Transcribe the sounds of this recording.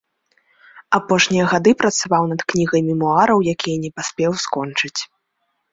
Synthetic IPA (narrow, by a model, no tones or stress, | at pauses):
apɔʂnʲijɐɣad̪ɨpɾɐt̪savawnɐd̪knʲiɣɐjmʲimuaɾɐwjakʲijɐnʲɛpasʲpʲɛwskɔnt͡ʂɨt͡sʲ